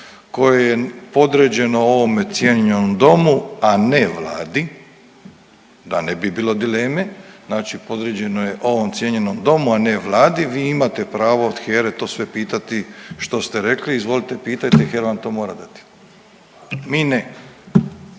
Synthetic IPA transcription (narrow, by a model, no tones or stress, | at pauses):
ko̞jejepo̞d̪ɾed͡ʑe̞no̞oʋo̞met̪sjeɲeɲenomd̪o̞muaneʋla̰ːd̪i | d̪anebibiːlˠo̞d̪ile̞ːmeznaːt͡ʃipo̞d̪ɾed͡ʑe̞nojeʔo̞ʋo̞mt̪sʲjeɲe̞nomd̪o̞muaneʋlˠaːd̪iʋiːimat̪e̞pɾaːʋood̪xeːɾet̪o̞ːsʋepiːt̪at̪iʃt̪o̞st̪e̞ɾe̞kliːzʋo̞lit̪e̞piːt̪ajt̪exeɾoʋant̪oːmoːɾad̪at̪i̥ | mine